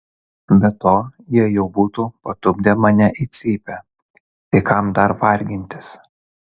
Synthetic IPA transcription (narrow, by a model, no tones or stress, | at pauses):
bʲɛt̪oːjiɛjɛʊbuːt̪uːpɐt̪ʊbʲd̪ʲɛmɐnʲɛʔit̪sʲiːpʲɛ | t̪ɐɪkɐmd̪ɐɾʋɐɾʲɡʲɪnʲt̪ʲɪ̥s